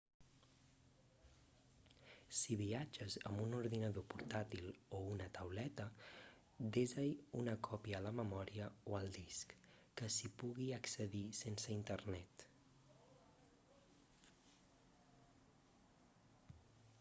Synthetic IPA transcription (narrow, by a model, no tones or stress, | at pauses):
siβiad͡ʒəzə̰mbunuɾðinəðopuɾt̪at̪ilounət̪əwlɛt̪ə | d̪ezəjunəkʰɔpiəːləməmɔɾiəoəlˠd̪isk | kəsipuɣiəksəðisensəint̪ərnɛt̪